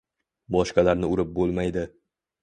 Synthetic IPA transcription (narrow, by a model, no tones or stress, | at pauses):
bɒʃqalaɾnɪʊɾɪp̚bolˠmajd̪ɪ